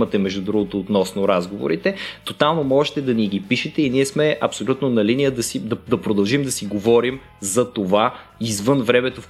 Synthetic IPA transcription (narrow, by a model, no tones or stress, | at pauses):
mɐt̪ɛmɛʒd̪ud̪ɾuɡot̪oːt̪nɔsnoɾazɡovo̰ɾit̪ɛt̪ot̪alˠnomɔʒɛt̪ɛd̪ɐniɡ̟ipiʃɛt̪ɛiniɛsmɛɐpsolʲut̪nonɐlinijəd̪ɐsid̪ɐd̪ɐpɾod̪ɐlˠʒimd̪ɐsiɡovɔɾim | zɐt̪ovaizvɤnvɾɛmɛt̪of